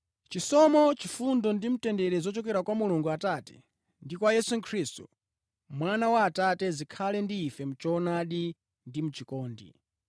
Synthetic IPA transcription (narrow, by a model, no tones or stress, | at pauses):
t͡ʃisɔmɔt͡ʃifundɔndim̩tɛndɛɾɛzɔt͡ʃɔkɛɾakwamuluŋɡuataːtɛ̥̰ | ndikwajɛsukʰɾistu̥̰ | mwanawaːtatɛzikʰalɛndiːfɛm̩t͡ʃɔnaɗi | ndimut͡ʃikɔːndḭ